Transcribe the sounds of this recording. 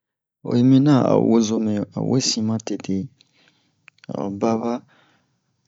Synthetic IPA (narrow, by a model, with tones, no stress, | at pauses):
o̰˨je˨mĩ˦na˦˨a̰˨wo˦zo˦mɛ̃˨a̰˨wʔḛ˦sĩ˦mã˦te˨te˨ | a̰˨ba˦ba˦